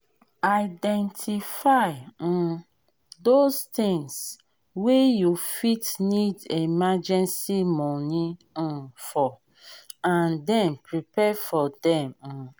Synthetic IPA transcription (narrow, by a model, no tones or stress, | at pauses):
aɪdɛ̃ntʰifaɪ̃ | dost̪ɪ̃ŋs | wejufitnidemad͡ʒɛ̃nsimɔnĩ | fɔ | ãndɛ̃mpɹipɛfɔdɛ̃m̩